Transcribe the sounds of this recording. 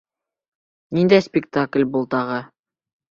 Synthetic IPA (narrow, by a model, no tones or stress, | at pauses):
nind̪æjspʲɪkt̪aklʲbŭlˠt̪ɑʁɤ